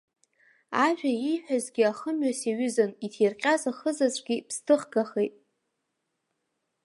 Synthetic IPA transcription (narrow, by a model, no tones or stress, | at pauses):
aʒᶣaijħʷᶣazɡʲiaχəmɥasiɥʏzanitʰirqʲʼazaχəzazʷɡʲipʰstʰɨχɡaχejtʼ